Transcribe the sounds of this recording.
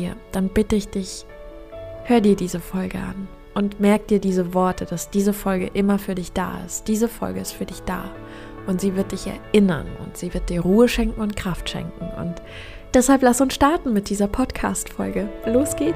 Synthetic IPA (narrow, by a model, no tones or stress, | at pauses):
iːɐd̥anbɪtəɪçd̥ɪç | høːʁədiːɐdiːzəfɔlɡə̰ʔa̰n | ʔʊntmɛɐk̚d̥iːɐdiːzəvɔɐtʰəd̥asd̥iːzəfɔlɡə̰ʔɪmɐfyːɐdɪçd̥a̰ːɪ̰std̥iːzəfɔ̰lɡəɪstfyːɐdɪçd̥a̰ː | ʔʊntz̥iːvɪɐt̚d̥ɪçɛ̰ɐʔɪnɐ̰nʊ̰ntz̥iːvɪɐt̚d̥iːɐʁuːəʃɛŋkŋ̩ʊnt̚kʁ̥aftʃɛ̰ŋkŋ̩ʔʊ̰nt | d̥ɛshalplasʊnsʃtaɐtn̩mɪt̚d̥iːzɐpʰɔtkʰa̰ːstfɔlɡəloːsɡ̥eː